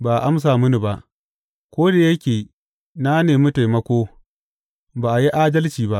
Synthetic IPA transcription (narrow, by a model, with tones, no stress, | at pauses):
baː˨ʔa˨ʔa˦ms̬aː˨mʊ˦ni˨ba˦ʔ | kʷoː˦da˨jɐ˦kʲeː˨ | na˦neː˨mu˦ta˨jmɐ˦kʷoː˦ | baː˨ʔa˨ji˦ʔaː˦dɐ˦lt͡ʃiː˨ba˦ʔ